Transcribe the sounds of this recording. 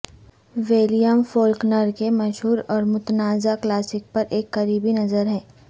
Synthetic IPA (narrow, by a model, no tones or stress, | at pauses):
ʋeːlijəmfoːlknəɾkemɐʃɦuːɾɔːɾmʊt̪naːzaklaːsɪk̚pɐɾʔeːkːɐɾiːbinɐzəɾɦɛː